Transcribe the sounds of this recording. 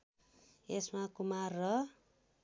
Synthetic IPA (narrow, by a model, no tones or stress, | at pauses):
esmakumarːʌ